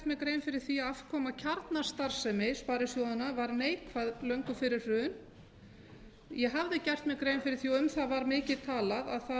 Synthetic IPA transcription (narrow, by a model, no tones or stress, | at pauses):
t̪mɪɣkɾejnfɪɾɪɾ̥θiaafkʰɔːmacʰaɾt̪nḁst̪aɾ̥sɛmɪspaːɾɪsjowðanavaɾneːjkʰvaðlœŋkʏfɪɾɪɾ̥r̥ʏːʏn | jɛɦavðɪcɛr̥t̪mɪɣkɾeːjnfɪɾɪɾ̥θiɔʏmθaðvaɾmɪːcɪðt̪ʰaːlaða̰ðθa